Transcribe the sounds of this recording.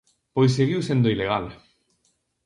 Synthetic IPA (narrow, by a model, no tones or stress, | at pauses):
pojs̬eɣiwsend̪oileɣ̞al